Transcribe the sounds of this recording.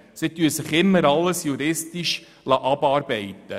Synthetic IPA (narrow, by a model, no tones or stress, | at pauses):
set̪yəsəχɪmːəɾɑlːəsjuɾɪstiʃ | lɑːʔɑbɑːrbɛjt̪ə